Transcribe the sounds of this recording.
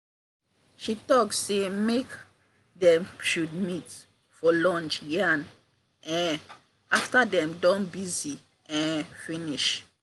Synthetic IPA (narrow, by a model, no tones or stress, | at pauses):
ʃitɔk̚tsemek | dɛ̃mʃud̚mit | fɔlɔ̃nt͡ʃjãn | ʔɛ̃n | aftadɛ̃mdɔ̃nbizi | ɛ̃nfĩniʃ